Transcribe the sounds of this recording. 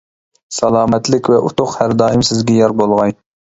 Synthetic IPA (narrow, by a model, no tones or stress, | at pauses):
sɑlˠɑːmɛt̪lɪkʲvɛʔut̪ʰʊqhæɾd̪ɑːɪmsɪzɡʲɛjɑɾbolˠʁɑj